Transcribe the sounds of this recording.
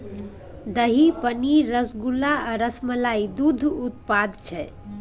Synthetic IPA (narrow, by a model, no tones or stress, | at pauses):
d̪əɦipəniɾəsɡulaəɾəsməlaid̪ud̪ʱut̪̚pad̪t͡ʃʰɛ